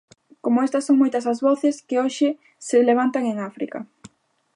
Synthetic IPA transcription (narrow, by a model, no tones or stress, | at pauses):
komoest̪ɐsːoŋmojt̪ɐsɐzβɔθeskɪoʃɪ | seleβ̞ant̪aŋeŋafɾḭkɐ